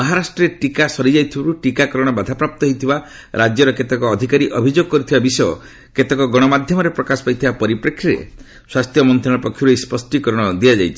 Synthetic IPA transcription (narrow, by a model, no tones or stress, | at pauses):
mɔɦaɾasʈɾɔɾeʈikasɔɾid͡ʒajt̪ʰibaɾuʈikakɔɾɔɽ̃ɔbad̪ʱapɾap̚t̪ɔɦɔjt̪ʰiba | ɾad͡ʒjɔɾɔket̪ekɔːd̪ʱikaɾiʔɔbʱid͡ʒoɡ̚kɔɾit̪ʰibabisɔjɔ̰ | ket̪ekɔɡɔɽ̃ɔmad̪ʱjɔmɔɾepɾɔkasɔ̥pajt̪ʰibapɔɾipɾekʰɾiɾḛ | swast̪ʰjɔmɔnt̪ɾɔɽ̃ɔpɔkʰjuɾejspɔsʈikɔɾɔɽ̃ɔd̪iad͡ʒajt͡ʃʰi̥